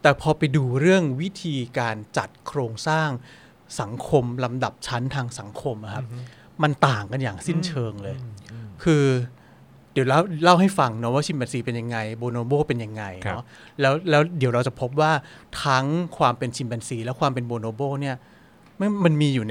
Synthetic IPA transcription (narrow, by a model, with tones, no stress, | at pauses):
t̪ɛː˨˩pʰɔː˧pa˧jduː˧ɾɯ˥˩əŋwi˦˥t̪ʰiː˧kaː˧nt͡ɕa˨˩t̪̚kʰɾoː˧ŋsaː˥˩ŋ | sa˩˦ŋkʰo˧mla˧mda˨˩p̚t͡ɕʰa˦˥nt̪ʰaː˧ŋsa˩˦ŋkʰo˧mʔa˨˩kʰa˦˥p̚ | ma˧nt̪aː˨˩ŋka˧njaː˨˩ŋsi˥˩nt͡ɕʰɤː˧ŋlɤː˧jkʰɯː˧ | di˨˩˦wla˥˩wla˥˩wɦa˥˩jfa˧ŋnɔ˦˥waː˥˩t͡ɕʰi˧mbɛː˧nsiː˧pe˧nja˧ŋːa˧jboː˧noː˧boː˥˩pe˧nja˧ŋːa˧jɔ˦˥ | lɛː˦˥wlɛː˦˥wdi˩˦wɾa˧wt͡ɕa˨˩pʰo˦˥p̬̚waː˥˩t̪ʰa˦˥ŋkʰwaː˧mpe˧nt͡ɕʰi˧mbɛː˧nsiː˧lɛ˦˥wkʰwaː˧mpe˧nboː˧noː˧boː˥˩ni˥˩ɐ | ma˧˥ma˧nmiː˧juː˨˩n